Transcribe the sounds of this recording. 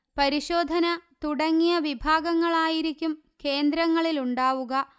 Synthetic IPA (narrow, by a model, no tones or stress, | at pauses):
pɐɾiɕo̞ːd̪ʱɐnɐt̪uɽɐŋːijɐʋibʱaːɡɐŋːɐɭaːjiɾikʲːum | ke̞ːnd̪ɾɐŋːɐɭiluɳɖaːʋuɣɐ